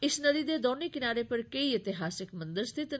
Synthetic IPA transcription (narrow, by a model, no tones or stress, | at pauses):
ɪsnɐd̪id̪ed̪ɔːnikɪnaːɾepɐɾkeiɪt̪ɪɦaːsɪkmɐ̃nd̪əɾst̪ʰɪt̪